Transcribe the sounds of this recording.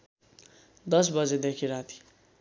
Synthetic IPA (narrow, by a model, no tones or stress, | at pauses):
d̪ʌs̬bʌd͡zed̪ekʰiɾat̪ʰi̥